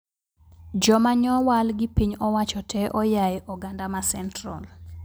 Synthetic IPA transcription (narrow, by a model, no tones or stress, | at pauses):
d͡ʒɔmaɲɔwalɡɪpiɲɔwat͡ʃɔtʰɛʔɔjajɛʔɔɡandamasɛntra̰l